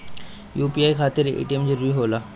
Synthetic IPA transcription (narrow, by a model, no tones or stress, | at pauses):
juːpiaːjkʰaːt̪ɪɾḛʈiemd͡ʑəɾiɦolaː